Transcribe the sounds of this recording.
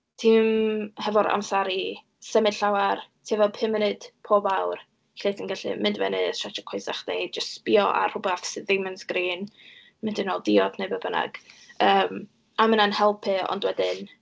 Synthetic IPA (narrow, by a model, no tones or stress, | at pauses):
tʰiːmhɛvɔɾa̰wmsaɾi | sɛmɨd̥ɬawartʰiːvɔpʰɪmɪnɨd̥pʰoːbawr | ɬeːtʰinɡaɬḭmɪndvɛ̰nɨsʰat͡ʃɔkʰwojsaχd̥ejd͡ʒəsb̥iɔʔa̰r̥ʊbafsɪðejmənsɡ̥riːn | mɪndɨnɔlˠdiɔdʰnebəbəna̰ɡ̥əːm | amənanhɛlˠpʰɨɔ̰ndwɛdɪn